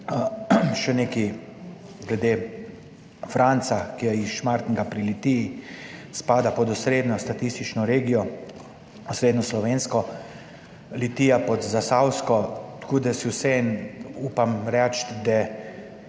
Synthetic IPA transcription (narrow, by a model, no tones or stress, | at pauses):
ʃɛneki | ɡlɛd̪eː | fɾant̪sakijajiʃmaɾt̪nɛɡapɾilit̪ijispaːd̪apɔd̪usɾeːd̪nɔst̪at̪ist̪it͡ʃnɔɾeːɡijɔ | usɾeːd̪nɔslɔʋeːnskɔ | lit̪iːjapɔd̪zasawskɔt̪kuːd̪ɛsiwsɛinuːpamɾɛt͡ʃd̪ɛ